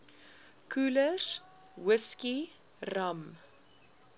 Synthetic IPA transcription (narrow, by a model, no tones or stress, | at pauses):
kʰuːlər | wəski | rɐm